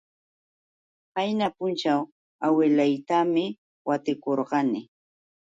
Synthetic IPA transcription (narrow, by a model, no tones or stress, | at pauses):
pajnapʊnt͡ʃaw | awɪlajt̪amɪ | wat̪ɪkoɾɢɑnɪ